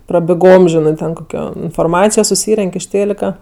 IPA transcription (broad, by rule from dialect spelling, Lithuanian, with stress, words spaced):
prɐbʲɪˈɡoːm ˈʒʲɪnɜ tʲɛn koːˈkʲoː ɪnfoːrˈmɑːt͡sʲɪjoː sʊˈsʲiːrʲɛŋʲkʲ ɪʃ ˈtʲeːlʲɪkɐ